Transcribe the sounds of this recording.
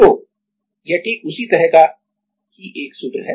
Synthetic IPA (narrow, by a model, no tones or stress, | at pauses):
t̪oː | jaʈeːkʊsit̪ɐɾɛɦka | kiʔeːksʊb̪ɾɦɛ